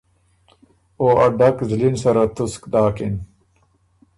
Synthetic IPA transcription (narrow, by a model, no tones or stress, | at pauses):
oːʔɐɖɐkzlinsɐɾɐt̪uskd̪aːkin